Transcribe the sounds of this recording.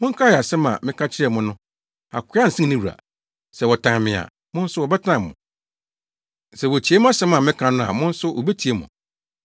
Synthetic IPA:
mʊ̃˦ŋ̩˦kʰa˦ɛ˨a˨sɛ˦mã̰˨mɪ̃˦kʰa˦t͡ɕʰɪ˦ɾɛ˨mʊ̃˦nʊ̃˦ | a̰˨kʰʊ˦a˦n̩˨sĩ˦nĩ˦wu˨ɾa̰˨ | sɛ˨wɔ˨tʰã˨ŋmɪ̃˨a̰˨ | mʊ̃˦n̩˦sʊ˦wɔ˨bɛ˦tʰɪ˦nã˨m˨mʊ̰̃˨ | sɛ˨wɔ˨t͡ɕʰi˨˦e˦mʊ̃˦a˦sɛ˦mã˨mɪ̃˦kʰã˨nʊ̃˦a̰˨mʊ̃˦n̩˦sʊ˦ʔɔ̰˨be˦tʰi˨e˦mʊ̰̃˨

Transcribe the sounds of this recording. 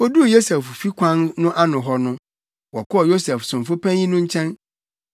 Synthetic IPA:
o˦du˦˨jo˦sɛ˨ffi˦kʰã˦nnʊ̃˦ʔa˦nʊ̃˨ɦɔ˦nʊ̃˦ | wɔ˨kʰɔ˦ɔ˨jo˦sɛ˨fsʊ̃˨m̩˨fʊ˦pʰɛ̃˦ĩ˦nʊ̃˦ɲ̩˦t͡ɕʰɛ̃˦n

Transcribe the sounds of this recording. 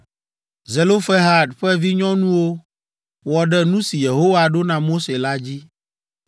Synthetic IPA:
ze˨lo˦fɛ˦ɦa˦ɖɸɛ˦vi˦ɲɔ̃˦nũ˦wo˦ | wɔ˨ɖɛ˦nũ˦si˨je˨ɦo˦wa˨ɖo˦nã˨mo˦se˨la˦d͡ʑi˦

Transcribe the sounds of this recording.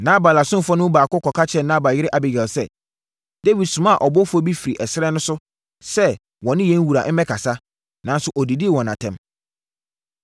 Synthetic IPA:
nã˦ba˨la˨sʊ̃˦n˨fɔ˦nʊ̃˦baː˨kʊ˦kʰɔ˨kʰa˦t͡ɕʰɛ̃˨nã˦ba˨jɪ˦ɾɪ˦ʔa˨bɪ˨ɡɛ˨lsɛ̰˦ | d̥e˦wi˨dsʊ̃˨mã˦a˨ʔɔ˨bɔ˦fʊ˦ɔ˦bi˦fi˨ɾi˨ʔɛ˨sɪ˦ɾɛ˦nʊ̃˦sʊ˦ | sɛ˦ | wɔ̃˨nɪ̃˦jɛ̃˦n˦wu˨ɾa˨ʔm̩˦mɛ̃˦kʰa˨sa˦ | nã˨n˦sʊ˦ʔɔ˨di˨di˦˨wɔ̃˨nã̰˨tʰɛ̃˦m

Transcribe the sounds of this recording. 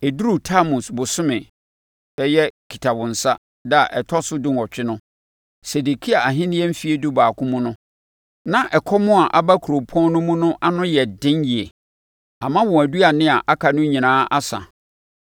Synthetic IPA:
e˨du˦ɾu˦tʰa˦mũ˨sbʊ˨sʊ˦mɪ̃˨ | bɛ˦jɛ˦kʰi̥˨tʰa˨bʊ̃˨n̩˨sa˦ | da˨ʔɛ˨tʰɔ˦sʊ˦dɪ̃˦nɔ˨t͡ɕᶣɪ˦nʊ̃˦ | se˨de˨kʰi˦a˨a˨ɦɪ̃˦nɪ̃˦ɛ̃˦m̩˦fi˦e˦du˦baː˨kʰʊ̃˦mũ˦nʊ̃˦ | nã˨ʔɛ˨kʰɔ˦mʊ̃˦a˨ʔa˨ba˦kʰu˨ɾo˨pʰɔ̃˦n˦nʊ̃˦mũ˦nʊ̃˦ʔa˦nʊ̃˦jɛ˨dɪ̃˦nji˨e˨ | a˨mã˦wɔ̃˨æ˨du˦a˨nɪ̃˦a˨ʔa˦kʰa˨nʊ̃˦ɲĩ˨nãː˦ʔa˦sã̰˨

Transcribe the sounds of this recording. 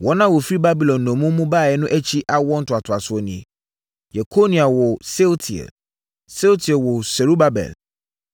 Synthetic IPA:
wɔ˨˦nã˦wɔ˨fi˦ba˦bi˨lɔ̃˨nːɔ̃˨mũ˦mːũ˦baː˦˨jɛ˦nʊ̃˦ʔæ˦t͡ɕʰi˦ʔa˦wɔ˦n̩˦tʰʊ˨a˨tʰʊ˨a˨sʊ˨ɔ˨nɪ̃˨e˨ | jɛ˨kʰo˦nĩ˨a˨wɔ˨se˦ltʰi˨ɛ̰˨l | se˦wtʰi˨ɛ˨lwɔ˨sɛ˨ɾu˦ba˦bɛ̰˨l

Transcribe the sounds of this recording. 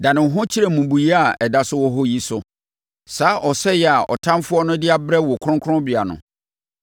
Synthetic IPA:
dã˨nɪ̃˨˦ɦʊ̃˦t͡ɕʰi˦ɾɛ˨mũ˨bu˨ji˦a˨ɛ˨da˨sʊ˦wɔ˦ɦɔ˦ji˦sʊ˨ | saː˨˦ʔɔ˨sɛ˦jɛ˨a˨ʔɔ̰˨tʰã˦mfʊ˦ɔ˦nʊ̃˦dɪ˦a˦bɾɛ˦wɔ˨kʰʊ̃˦kʰʊ̃˦bɪ˨a˨nʊ̰̃˨

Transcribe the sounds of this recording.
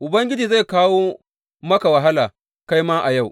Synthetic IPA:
ʔʊ˨bɐ˦ŋɡʲɪ˦d͡ʒiː˨za˦˨kaː˦woː˦ | mɐ˦ka˨wɐ˨ɦa˦laː˨ | ka˦jmaː˦ʔa˨ja˦˨w

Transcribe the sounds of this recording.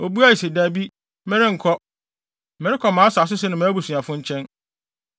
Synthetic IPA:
o˨bu˦a˦ji˨se˨daː˨bi˦ | mɪ̃˦ɾɪ˦ŋ̩˨kʰɔ˦ | mɪ̃˨ɾɪ˦kʰɔ˨mãː˨˦sa˨s̬ʊ˦s̬ɪ˦nɪ̃˨mã˨˦bu˨sũ˨a˨fʊ̃˦ɲ̩˦t͡ɕʰɛ̃˦n

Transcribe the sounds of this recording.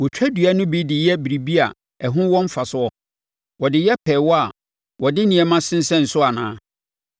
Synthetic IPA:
wɔ˨t͡ɕᶣæ˦dɥa˦nʊ̃˦bi˦dɪ˨jɛ˦bi˨ɾi˨bi˦a̰˨ | ɛ˨ɦʊ̃˦wɔ̃˦m̩˦fa˨sʊ˨˦ɔ˦ | wɔ˨dɪ˨jɛ˦pʰɛ˨wɔ˦a˨ | wɔ˨dɪ˦nɪ̃˨ɛ˨mã˦sɪ̃˦n̩˦sɛ̃˦n̩˨sʊ˦a˨nãː˦

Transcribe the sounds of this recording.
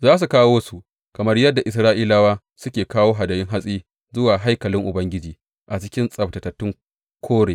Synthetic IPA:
zaː˦s̬u˨kaː˦woː˦su˨ʔ | kɐ˨mɐ˦rjɐ˦dːa˨ʔɪ˨s̬ɾaː˦ʔiː˦laː˦waː˦ | sʊ˦kʲeː˨kaː˦woː˦ɦa˨dɐ˨jɪ˦ŋɦa˦sʼiː˦ | zʊ˦waː˨ɦa˦jkɐ˨lɪ˦ŋʔʊ˨bɐ˦ŋɡʲɪ˦d͡ʒiː˨ | ʔa˨t͡ʃɪ˦kʲɪ˦nsʼɐ˨ptɐ˨tɐ˨tːɪ˦ŋ | kʷʰoː˦ɽeː˨

